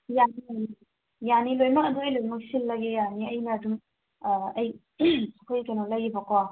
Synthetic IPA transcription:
janin | janilojmak̚ɐduɐjlojmak̚silːaɡejaniɐjnadum | ɐj | sakʰojkenɔlajibakwa

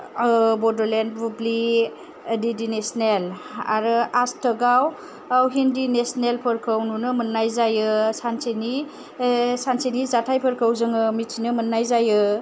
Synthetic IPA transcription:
bɔdɔlenbubli | didinesnela̰ɾɯastʰəɡaw | awɦindinesnelpʰɯɾkʰɯwnunɯmənːajzajɯsanseni | sansenizatʰajpʰɯɾkʰɯwzɯŋɯmitʰinɯmɯnːajzajɯ

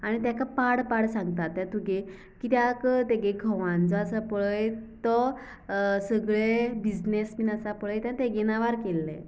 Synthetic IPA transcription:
añit̪jakapaɽpaɽsãŋɡ̚t̪at̪ːjat̪uɡe | kit̪jakt̪eɡeɡʱəʋãnd͡zɔasapɭəjt̪ɔ | səɡɭebid͡znesminasapəɭəjt̪ãnt̪eɡɛnaʋaɾkelːɛ̰

